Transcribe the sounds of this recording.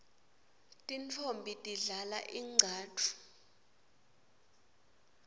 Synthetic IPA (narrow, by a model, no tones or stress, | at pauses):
tʼint͡fʰombʱitʼiɮala̰ʔiŋ͡ǀʱaːtʰu̥